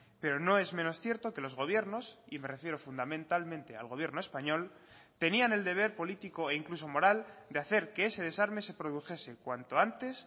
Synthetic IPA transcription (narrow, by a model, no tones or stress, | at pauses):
pe̞ɾo̞no̞e̞zmẽ̞no̞sθje̞ɾt̪o̞ke̞lo̞zɣo̞β̞je̞ɾno̞sime̞re̞fje̞ɾo̞fund̪amẽ̞nt̪almẽnt̪e̞a̰lɣo̞β̞je̞ɾno̞espaɲo̞l | t̪e̞niane̞ld̪e̞β̞e̞ɾpo̞lit̪iko̞e̞iŋkluso̞mo̞ɾald̪eaθe̞ɾke̞e̞se̞ð̞e̞saɾme̞se̞pɾo̞ð̞uxe̞se̞kwant̪o̞ant̪e̞s